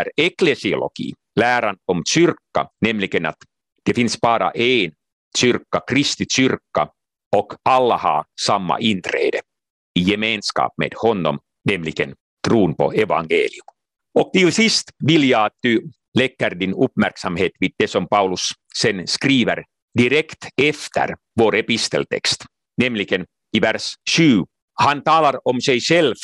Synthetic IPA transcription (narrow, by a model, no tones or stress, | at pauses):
æɾeklesio̰lo̰ɡ̥ḭː | læːɾɑnɔmt͡ʃyrkːɑnɛmliɡ̥ənɑ̰t̪ | d̥efinsb̥ɑːɾɑ̰ʔeːn | t͡ʃyrkːɑkrist̪it͡ʃʏrkːɑ | okɑlːɑhɑ̰ːsɑmːɑ̰ʔint̪ɾḛːd̪e | ijemeːnskɑ̰ːpmḛːd̪̥hɔnːɔ̰m | nɛmliɡ̥ən | t̪ɾuːnpo̰eʋɑŋɡḛːliʉm | ɔk̚t̪ɪlsist̪ʋiljɑɑt̪̚d̪ʉ | lɛkːəɾd̪inɵpmæɾksɑmheːt̪ʋiːd̪̚d̪esɔmpɑʉlʉsː | ɛnskɾiːʋəɾ | d̪ɪɾɛkt̪ɛft̪ʰə̰ɾ | voːɾepist̪ə̰lt̪ʰɛ̰kst̪ | nɛmlɪɡ̥ən | ivæɾʂʃʉː | hɑnt̪ɑːlɑɾɔmsɛjɕɛlf